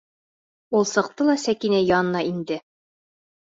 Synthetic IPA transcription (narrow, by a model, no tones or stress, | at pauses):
ulˠsɤ̆qt̪ɤlˠɑsækinæjɑnɤ̆nɑind̪ɘ